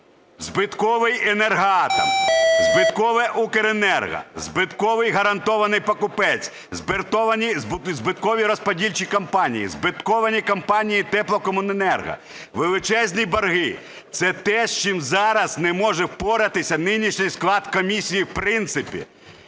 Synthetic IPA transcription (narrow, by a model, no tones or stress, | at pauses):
zbɪt̪kɔʋɪjenerɦɑt̪ɐmzbɪt̪kɔʋɛʔukeɾenɛrɦɐ̰zbɪt̪kɔʋɪjɦɐɾɐnt̪ɔʋɐnɪjpɐkʊpɛt͡sʲ | zbɪrt̪ɔʋɐnʲizbzbɪt̪kɔʋʲiɾɔspɔdʲilʲt͡ʃikɐmpɑnʲḭjḭzbɪt̪kɔʋɐnʲikɐmpɑnʲijit̪ɛplˠɔkɔmʊnenɛrɦɐ̰ | ʋelˠɪt͡ʃɛzʲnʲibɐrɦɪ | t̪sɛt̪ɛʃt͡ʃimzɑɾɐznɛmɔʒɛwpɔɾɐt̪ɪsʲɐnɪnʲiʃnʲɪjsklˠɑd̪kɔmʲisʲijiwpɾɪnt̪sɪpʲḭ